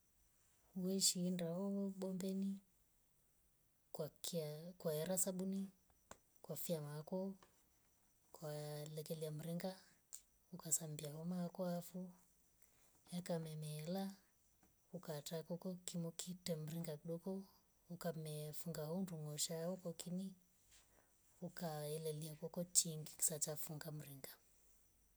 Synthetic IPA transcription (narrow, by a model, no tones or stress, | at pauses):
uwɛʃiːndaɔɔɓɔmbɛni | kwakkwaɛɾasaɓuni | kwafiamakɔ | kwalɛkɛliam̩ɾiŋɡa | ukasambiahɔmakɔafu | jakamɛmɛːla | ukatakɔkɔkimukʰitɛm̩ɾiŋɡakiɗɔkɔ | ukamɛfuŋɡahɔnduŋɔʃaɔkɔkini | ukaɛlɛliakɔkɔt͡ʃiŋɡiki̥sat͡ʃafuŋɡam̩ɾiŋɡa